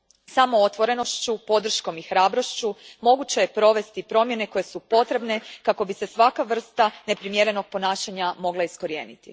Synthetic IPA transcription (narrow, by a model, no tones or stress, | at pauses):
samo̞ot̪ʋo̞ɾe̞no̞ʃt͡ɕupo̞d̪r̩ʃko̞mixɾaːbɾo̞ʃt͡ɕumo̞ɡut͡ɕe̞jepɾo̞ʋe̞st̪ipɾo̞mje̞ne̞ko̞je̞supo̞t̪ɾe̞bne̞kako̞bise̞sʋakaʋr̩st̪ane̞pɾimje̞ɾe̞no̞ɡ̚po̞naːʃaɲamo̞ɡlˠaisko̞ɾije̞ːnit̪ḭ